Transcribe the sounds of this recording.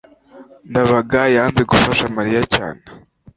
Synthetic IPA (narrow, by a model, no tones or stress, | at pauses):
ndaβaɡajaːnzeɡufaʃamaɾijaca̰ːne